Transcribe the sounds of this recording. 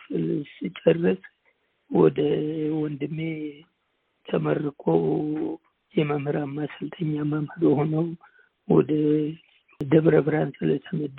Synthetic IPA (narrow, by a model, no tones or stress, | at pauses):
sɨlsɨt͡ʃʼərːɨsʼ | wɔd̪əwɔnd̪ɨmːe | t̪ʰəmərːɨkʰʼo | jɛməmhɨɾamːasɨlt̪ʰəɲːamamhɨɾhonəwm | wɔ̰d̪ə | d̪əβɾəbɾansɨlət̪ʰəməd̪